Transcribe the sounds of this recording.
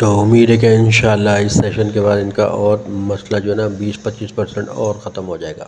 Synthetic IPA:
t̪oʊmiːd̪ɦɛk̬ẽɪnʃaːəlːaɦɪsːeːʃənkebaːd̪ɪnka̰ʔɔːɾmɐslad͡ʒoːɦɛnabiːspɐt̪t͡ʃiːspɐɾsɛ̃ɳʈɔːɾxɐt̪əmɦod͡ʒaːeːɡa̰ː

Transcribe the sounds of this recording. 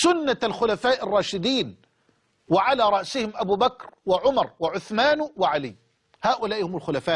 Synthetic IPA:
sʊnːalxʊlafaːʔɪrˤːɑːʃɪd̪iːn | wɪʕalaːɾˤɑʔsɪhɪmʔabuːbakɾwɪʕʊmɑɾˤwɪʕʊθmaːnwɪʕalɪː | haːʔʊlaːʔhʊmʊlxʊlafaːʔ

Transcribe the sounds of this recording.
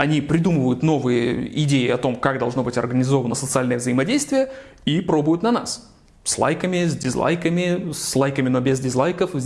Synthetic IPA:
ɐnʲipɾʲɪd̪umɨvəjʊt̪no̞vɨjə̰ɪdʲejɪɐt̪o̞mkaɡd̪ɐlˠʐno̞bɨtʲɐrɡənʲɪzo̞vənəsət̪sɨalʲnəjəvzəjɪmɐdʲejst̪vʲɪjə | ipɾo̞bʊjʊt̪nɐna̰s | slˠa̰jkəmʲɪzʲdʲɪzlˠa̰jkəmʲɪslˠajkəmʲɪno̞bʲɪzdʲɪzlˠajkəfʲ

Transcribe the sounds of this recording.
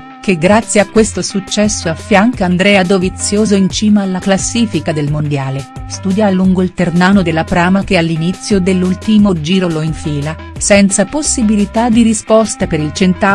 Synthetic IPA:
k̟eɡɾat̪sːjeakːwest̪osut͡ʃːɛsːoafːjaŋkaand̪ɾɛːad̪ovit̪sːjoːzoint͡ʃiːmaːlːaklasːiːfikad̪elmond̪jaːle | st̪uːd̪jaluŋɡoilt̪ernaːnod̪elːapɾaːmakealːinit̪sːjod̪elːult̪imod͡ʒiːɾoloiɱfiːla | sɛnt̪saposːibilit̪ad̪iɾispɔst̪apeɾilt͡ʃent̪a

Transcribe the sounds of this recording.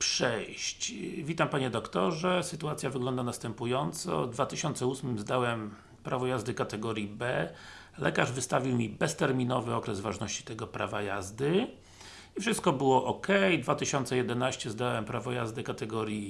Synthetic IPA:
pʂɛjɕt͡ɕvʲit̪ampaɲɛd̪ɔkt̪ɔʐɛsɘt̪uat̪sʲjavɘɡlɔnd̪anast̪ɛmpujɔnt̪sɔ̰d̪vat̪ɘɕɔnt̪sɛusmɘmzd̪awɛm | pɾʔavɔjazd̪ɘkat̪ɛɡɔɾʲjibɛ | lɛ̰kaʐvɘst̪avʲiwmʲibɛst̪ɛɾmʲinɔvɘɔkɾɛzvaʐnɔɕt͡ɕi̥t̪ɛɡɔpɾa̰vajazd̪ɘ | ifʂɘst̪̚kɔbɘwɔʔɔkɛjd̪vat̪ɘɕɔnt̪sɛjɛd̪ɛnaɕt͡ɕɛzd̪awɛmpɾavɔjazd̪ɘkat̪ɛɡɔɾʲji

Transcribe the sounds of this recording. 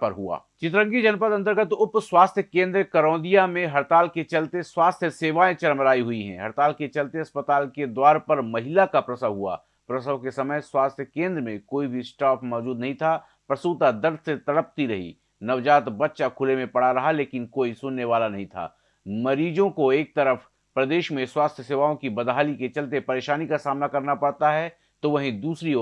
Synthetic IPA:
pɐɾɦua̰ː | t͡ʃɪt̪ɾə̃ŋɡid͡ʒɐnpət̪ɐ̃nt̪əɾɡət̪ʊpswaːst̪ʰjəkẽːnd̪ɾkəɾɔ̃ːd̪ijamẽɦɐɾt̪aːlket͡ʃɐlt̪eswaːst̪ʰjəseːʋaːẽt͡ʃɐɾmɾaːiɦʊiɦɛ̰̃ɦɐɾt̪aːlket͡ʃɐlt̪eɐspət̪aːlked̪waːɾpəɾmɐɦɪlakapɾɐsəʋɦua̰ː | pɾəsəʋkesɐməjswaːst̪ʰjəkẽːnd̪ɾəmẽkoːibʱisʈaːpmɔːd͡ʒuːd̪nɐɦĩt̪ʰa | pɾɐsuːt̪ad̪əɾd̪ʱset̪ɐɽəp̚t̪iɾɐɦḭ | nɐʋd͡ʒaːt̪bɐt̪ːʃakʰʊlemẽpɐɽ̤aɾɐɦaleːkɪnkoːisʊnːeʋaːlanɐɦĩt̪ʰa̰ː | mɐɾiːd͡ʒõkoeːk̚t̪ɐɾəf | pɾɐd̪eːʃmẽswaːst̪ʰjəseːʋaːõkibɐd̪ʱaːliket͡ʃɐlt̪̬epɐɾeːʃaːnikasaːmnakɐɾnapɐɽt̪aɦɛ | t̪oʋɐɦĩd̪uːsɾio

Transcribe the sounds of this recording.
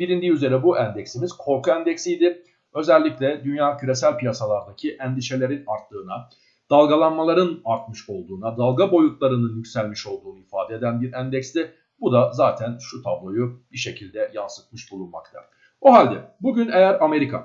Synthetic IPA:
biɾind̪iːyze̞ɾɛbuʔænd̪ɛcsimiz̥kʰo̞ɾkuænd̪ɛcsijd̪ɪ | ø̞zɛlʲːiclʲɛd̪ynjaːcʰyɾe̞sælʲpijasalˠaɾd̪acʰiʔɛnd̪iʃe̞lʲe̞ɾinaɾt̪ːˠɯːna | d̪̥alˠɡalˠanmalˠaɾɯnaɾt̪̚mɯʃo̞lˠd̪uːnad̪alˠɡabo̞jut̪lˠaɾɯnɯnjycsælʲmiʃo̞lˠd̪uːnuifaːd̪ɛed̪ænbiɾænd̪ɛcst̪ɪ | bud̪azaːt̪ʰænʃut̪ʰablˠo̞jub̥iʃe̞cʰilʲd̪ɛjansɯ̥t̪̚mɯʃbulˠunma̰kt̪ʰa̰ | buɦalʲd̪ɛbuɟynejæɾame̞ɾikʰa̰

